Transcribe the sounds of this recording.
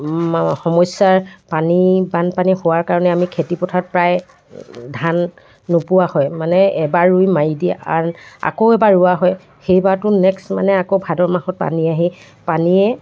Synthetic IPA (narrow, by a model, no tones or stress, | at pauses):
xɔmɔjsaɹpanibanpanihʊwaɹkaɹɔnɛamikʰetipɔtʰat̚pɹaj | dʱanː | ʊpʊwahɔjmanɛɛbaɹɹujmajidia̰a̰koʊɛbaɹuaɦɔj | xejbatʊnɛksma̰nɛakobʱadɔɹmahɔt̚pa̰niaɦi | paniɛ